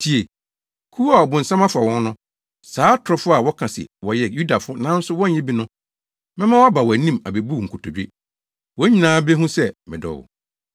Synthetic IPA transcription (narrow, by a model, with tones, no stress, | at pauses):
tʰi˨e˨ | kʰu˦a˨ɔ˨bʊ̃˨n̩˨sã˦ma˦fa˨wɔ̃˦n˦nʊ̃˦ | saː˨˦tʰʊ˨ɾɔ˨˦fʊ˦a˨wɔ˦kʰã˨sɪ̰˨wɔ˨jɛ˨ju˦da˨fʊ˦nã˨˦n̩˦sʊ˦wɔ̃˦ɲ̩˦ɲɛ̃˦bi˦nʊ̃˦ | mɪ̃˦mã˦wɔ˦a˦ba˨wɔ˨æ˨nĩ˦ma˨be˨bu˦˨ŋ̩˨kʰʊ˨tʰo˨d͡ʑᶣe˦ | wɔ˨˦ɲĩ˨nãː˨˦be˦ɦũ˦sɛ˦mɪ̃˨dɔ̰˨wɔ̰˨